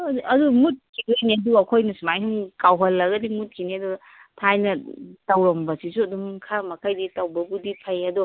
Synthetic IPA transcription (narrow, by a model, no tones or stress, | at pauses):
ɐdumut̚kʰiɡejniduɐkʰojnɐsumajɦumkawɦɐlːɐɡɐdimut̚kʰinidu | tʰajnɐtawɾɔmbɐsisuɐdumkʰamɐkʰajditawbɐbudipʰajɐdɔ